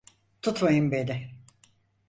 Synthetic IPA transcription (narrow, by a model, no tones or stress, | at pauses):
t̪ʰut̪majɯmbenɪ